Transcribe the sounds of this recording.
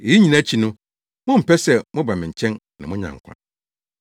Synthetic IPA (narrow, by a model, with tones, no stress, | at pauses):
e˨i˦ɲĩ˨nã˦t͡ɕʰi˨nʊ̃˦ | mʊ̃˦m̩˨pɛ˦sɛ˨mʊ̃˦ba˨mɪ̃˨ɲ̩˨t͡ɕʰɛ̃˦nnã˨mʊ̃˦ɲã̰˨ŋ̩˨kʷʰã̰˨n